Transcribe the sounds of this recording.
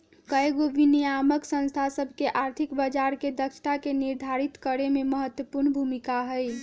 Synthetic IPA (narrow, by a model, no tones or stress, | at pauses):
kəjɡoʋinijaməksə̃nst̪ʰasəbʱkeʔaɾt̪ʰikbəd͡ʒaɾked̪əkʃʰʈ̪akeniɾd̪ʱaɾit̪kəɾememəɦət̪wəpuɾnbʱumikaɦəj